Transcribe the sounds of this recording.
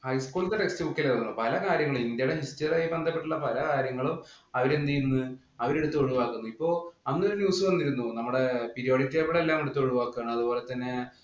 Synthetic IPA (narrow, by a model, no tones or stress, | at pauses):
hɐjskuːlt̪eʈekstiukːeleðonːupɐlɐkaːɾjɐŋːɐɭumind̪jɐɽeɦisʈɐjɐɾaːjibe̞nd̪ʱɐpːeʈːuɭːɐpɐlɐkaːɾjɐŋːɐɭumɐʋɐɾend̪ijunːɨ | ɐʋɐɾeɽut̪ːuoɻuʋaːkːunːuipːo̞ːɭɐnːoɾunjuːsɨʋɐnːiɾunːunɐmːuɽe̞piɾijoːɽitːeːpɐɽelːaːmeɽut̪ːoɻuʋaːkːuaːɳɨmɐðubo̞ːle̞t̪ːɐnːe